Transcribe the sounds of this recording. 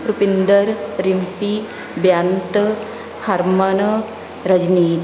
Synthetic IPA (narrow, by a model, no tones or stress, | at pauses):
ɾupind̪əɾɾimpi | bjant̪ | hɐɾmɐn | ɾɐd͡ʒniːt̪